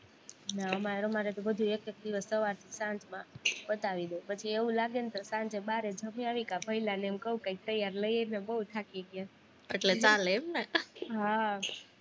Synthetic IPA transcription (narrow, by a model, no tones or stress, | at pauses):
naəmaeɾomaɾet̪obəd̪ʱuek̚t̪ək̚d̪iʋəsːəʋaɾt̪ʰisãnd͡ʒmãbət̪aʋid̪opət͡ʃʰieʋũlaɡent̪sãnd͡ʒebaɾed͡ʒəmiaʋikapəilaneɛmkəɦũkaik̚t̪əjaɾləienebəɦut̪ʰakiekje | eʈlet͡ʃaleːmneɦa